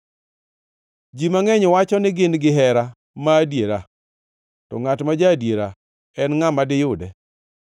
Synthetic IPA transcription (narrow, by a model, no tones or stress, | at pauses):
d͡ʒimaŋɛɲwat͡ʃɔnɪɡɪnɡɪɦɛɾa | maːdjeɾa | tɔ̰ŋatmad͡ʒadjeɾa | ɛnŋamadɪjʊdɛ